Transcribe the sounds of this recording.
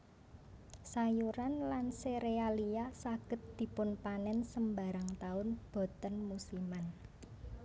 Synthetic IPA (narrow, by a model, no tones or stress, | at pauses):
sajuɾanlanseɾealijasaɡ̥ə̤t̪̚d̪̥i̤pʊnpanɛnsəmba̤ɾaŋt̪aʊnb̥o̤t̪ənmusiman